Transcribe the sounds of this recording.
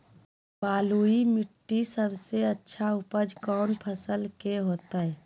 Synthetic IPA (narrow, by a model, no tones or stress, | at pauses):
paːluimiʈːisəbʱseətːʃʰaupəd͡ʒkɔːnpʰəsəlkeɦoːt̪aɦɛ